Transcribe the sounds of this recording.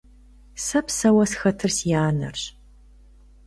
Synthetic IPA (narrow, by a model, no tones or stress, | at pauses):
sɐpsɐwɐsxɐtʰɨrsjaːnɐ̰rɕ